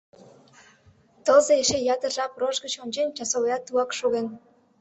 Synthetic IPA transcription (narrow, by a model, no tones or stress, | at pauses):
t̪ɤlzeeʃejɑt̪ə̆rʒɑproʒɡət͡ɕonʲt͡ɕenʲt͡ɕɑsoljɑt̪ːuɑkʃoɣen